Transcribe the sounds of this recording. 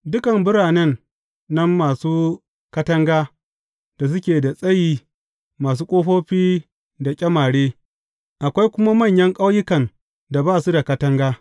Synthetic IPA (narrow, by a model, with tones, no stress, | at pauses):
dʊ˦kɐ˨mbʊ˦ɽaː˨nɛ˦nː | ɐ˦mːaː˨suː˦ | kɐ˦tɐ˦ŋɡaː˦ | d̥a˨s̬ʊ˦kʲeː˨da˨sʼɐ˦jiː˦ | maː˨s̬uː˦kʷʼoː˦ɸoː˦ɸiː˦ | da˨kʲʼɐ˦maː˨ɽeː˦ | ʔa˨kʷa˦jkʷʊ˦ma˦mɐ˦˨ɲjɐ˦ŋkʼa˦wjɪ˦kɐ˨n | da˨baː˦˨su˦da˨kɐ˦tɐ˦ŋɡaː˦